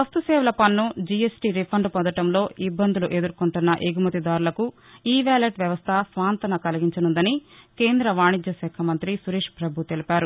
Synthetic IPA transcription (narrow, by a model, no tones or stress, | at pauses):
ʋɐst̪usɛːʋɐlɐpɐnːud͡ʒiesʈiːɾipʰɐɳɖpɔnd̪ɐʈɐmlo̞ːibːɐnd̪uluʔeːd̪uɾkuɳʈunːɐʔeːɡumɐt̪id̪aːɾulɐku | iːʋaːleʈʋjɐʋɐst̪ʰɐsʋaːnt̪ɐnɐkɐlɐɡiɲt͡ʃɐnund̪ɐnikeːnd̪ɾɐʋaːɳid͡ʒ̪jɐʃɛːkʰɐmɐnt̪ɾisuɾeːʂpɾɐbʱut̪elipaːɾu